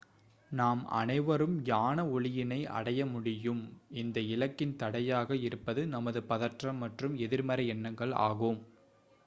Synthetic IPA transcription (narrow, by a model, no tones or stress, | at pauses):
naːmɐ̰nɐɪʋɐɾɯmjaːnɐɔɭɪjɪnɐɪʔɐ̰ɽɐjɐmʊɽɪjɯmɪnd̪ɐɪlɐkːɪnt̪ɐɽɐjaːɣɐɪɾɯpːɐðɯnɐmɐðɯpɐðɐʈrɐmːɐʈrɯmɛðɪɾmɐɾɐɛnːɐŋɡɐɭa̰ːɣoːm